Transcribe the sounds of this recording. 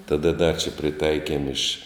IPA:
tɐˈdɐ dɐ t͡ʃʲɛ pʲrʲɪˈtɐɪkʲiɛm ɪʃ

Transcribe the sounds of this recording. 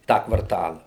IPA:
ˈtɑː kʋɐrˈtɑːlˠɐ

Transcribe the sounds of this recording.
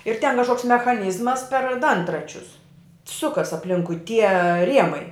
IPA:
ɪr tʲɛn kɐʃˈkoːks mʲɛxɐˈnʲiːzmɐs pʲɛr ˈdɐntrɐt͡ʃʲʊs ˈsʊkɐs ɐpʲˈlʲɪŋkʊɪ tʲiɛ ˈrʲiɛmɐɪ

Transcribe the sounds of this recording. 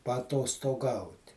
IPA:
pɐɐtoːstoːˈɡɐʊtʲ

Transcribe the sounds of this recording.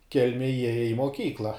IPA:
ˈkʲɛlʲmʲeːj ˈjiɛjɛ ɪ moːˈkʲiːklˠɐ

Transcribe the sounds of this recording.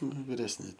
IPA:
ˈnʊ ʋʲɪrʲɛsʲˈnʲɪ

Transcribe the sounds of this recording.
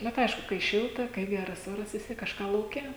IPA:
ˈnʊ tɐɪ ˈɐɪʃkʊ kɐɪ ˈʃʲɪlˠtɐ kɐɪ ˈɡʲærɐs ˈoːrɐs ʋʲɪs ˈtʲiɛk kɐʃˈkɑː lˠɐʊˈkʲɛ

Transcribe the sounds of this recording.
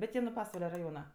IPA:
bʲɛt ˈjiɛ nʊ ˈpɑːsʋɐlʲɛ rɐˈjoːnɐ

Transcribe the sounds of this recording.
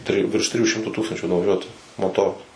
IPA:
ˈtʲrʲɪjuː ʋʲɪrʃ ˈtʲrʲɪjuː ˈʃʲɪmtuː ˈtuːkstɐnʲt͡ʃʲuː nʊʋɐˈʒʲuɔtʊ moːˈtoːrʊ

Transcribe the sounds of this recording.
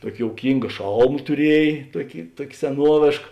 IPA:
ˈtuɔkʲɪ joːʊˈkʲiːŋɡɐ ˈʃɐlˠmɐ tʊˈrʲiɛj ˈtuɔkʲɪ ˈtuɔkʲ sʲɛˈnuɔʋʲeːʃk

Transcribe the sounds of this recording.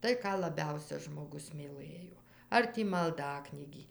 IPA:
ˈtɐɪ ˈkɑː lˠɐˈbʲɛʊsʲɛ ʒmoːˈɡʊs mʲiːˈlˠɘjoː ˈɐr tʲiː mɐlˠˈdɑːknʲiːɡʲiː

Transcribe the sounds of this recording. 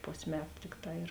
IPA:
ˈpoːsʲ ˈmʲæːtʊ ˈtʲɪkˌtɑː ɪr

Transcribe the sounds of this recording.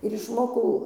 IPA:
ɪr ɪʃˈmoːkɐʊ

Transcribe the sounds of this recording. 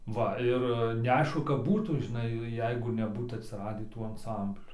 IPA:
ˈʋɐ ˈɪr nʲɛˈɐɪʃkʊ kɐp ˈbuːtuː ʒʲɪˈnɐɪ ˈjɛɪɡʊ nʲɛˈbuːt ɐtʲsʲɪˈrɑːdʲiː ˈtuː ɐnˈsɐmʲbʲlʲuː

